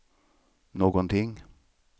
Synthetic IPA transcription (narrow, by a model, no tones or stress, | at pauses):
noːɡɔnt̪ʰɪŋ